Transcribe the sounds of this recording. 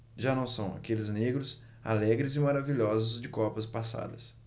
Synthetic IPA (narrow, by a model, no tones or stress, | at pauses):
ʒanɐ̃w̃sɐ̃w̃a̰kelɪzneɡɾʊs | a̰lɛɡɾɪzɪmaɾaviʎɔzʊzd͡ʒɪkɔpɐspasa̰d̪ɐs